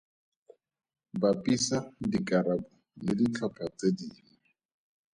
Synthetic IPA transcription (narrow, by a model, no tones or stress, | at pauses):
bapʼisadikʼaɾabʊ | lɪdit͡ɬʰapʰat͡sʼediːni